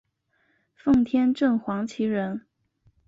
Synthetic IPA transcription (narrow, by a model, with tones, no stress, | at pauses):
fɤ˥˩ŋt̪ʰjɛ˥nʈ͡ʂɤ˥˩ŋxwɑ˧˥ŋt͡ɕʰi˧˥ɻə˧˥n